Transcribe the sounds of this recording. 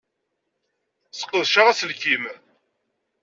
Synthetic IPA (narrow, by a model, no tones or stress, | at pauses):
sə̥qːəðˤʃaʁæsəlkim